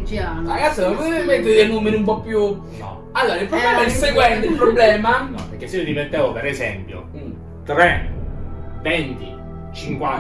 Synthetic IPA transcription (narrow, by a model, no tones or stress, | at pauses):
aɾaɡat̪sːipemɛt̪ːoenumːenumpɔpːju | nɔ̰ | alːoːɾailpɾoblɛːmaiɛseɡwɛnt̪eilpɾobːlɛːmanɔ̰peɾkːesːeid̪ivent̪ːɛːvopeɾezɛmpjo̰ | t̪ɾe | vent̪ḭ | t͡ʃiŋkwa